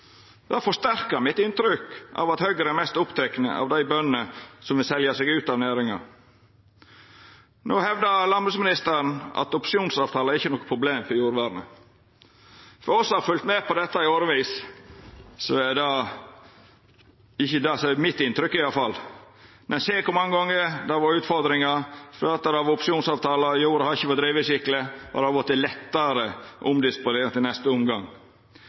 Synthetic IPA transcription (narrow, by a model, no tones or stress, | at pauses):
d̪̥ɑfɔʂt̪æɾkəɾmɪt̪ɪnt̪ɾʏkɑ̰ʋɑt̪hœɡəɾəɛmɛst̪ʊpt̪ʰɛkənə̰ʔɑ̰ʋd̪æɪbœnənəsɔmʋɪlsɛljəseɡʉːt̪ɑʋnæːɾɪŋɑ̰ɾ | noːhɛʋd̪əɾlɑnbʉːsmɪnɪst̪əɾənʔɑ̰t̪ʊpʂɪuːnsɑːʋt̪ʰɑːləɾɪçːənɔːkːə̥pʰɾʊbleːmfɔjuːɾʋæːɾnə̰ | fɔɾɔsːɔhɑɾfʉlt̪meːpʰɔd̪ɛt̪ːəɪoːɾəʋiːs | sɔɛd̪ɑ | ɪçːəd̪sɔmɪt̪ːɪnt̪ɾʏkːɪjɑlfɑlː | mʔɛnseːkʊmɑŋːəɡɔŋːəɾd̪ɑʋɑʉːt̪fɔɾd̪ɾɪŋɑfløːt̪əɾɑʋʊpʂɪuːnsɑːʋt̪ʰɑːlɑjuːɾəhɑɾɪçːəʋɑd̪ɾiːʋəsɪkləɔ̰d̪ɛhɑɾɡɔt̪ːəɪlɛt̪ːɑɾəʔʊmd̪ɪspʊneːɾnt̪ɪlnɛst̪əʊmɡɑŋ